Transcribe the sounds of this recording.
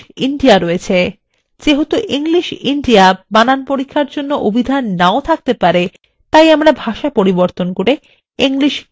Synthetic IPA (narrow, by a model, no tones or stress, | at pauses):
iɳɖiaɾɔet͡ɕʰe | d͡ʑeɦot̪oʔiŋliʃiɳɖiabananpoɾikʰːaɾd͡ʑonːoʔobʱid̪ʱanːaot̪ʰak̚t̪epaɾe | t̪ajamɽabʱaʃapoɾiboɾt̪onkoɾe | iŋliʃ